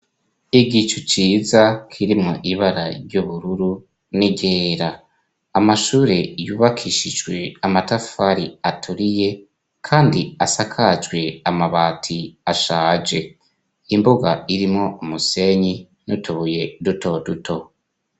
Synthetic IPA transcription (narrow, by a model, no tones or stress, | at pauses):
iɡit͡ʃut͡ʃiːzakʰiɾimŋoʔiβaɾa̰ɾjɟoβuɾuɾu | niɟe̞ːɾaː | maʃuːɾe̞juːβakʰiʃid͡ʒɡwe̞amataffaɾiatʰuɾije̞ | kʰaːndiasakʰad͡ʒɡwe̞amaβaːtʰiaʃaːd͡ʒe̞ | imboɡaiɾimŋo̞umuse̞ɲi | nutʰuβuje̞duto̞dutʰo̞